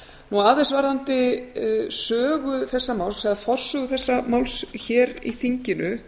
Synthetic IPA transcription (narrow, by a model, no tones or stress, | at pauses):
nuaːðesvaɾðant̪ɪ | sœːɣʏθɛsːamawlssɛɣaðfɔr̥sʏɣʏθɛsːamawlsçɛːɾḭθiɲcɪnʏ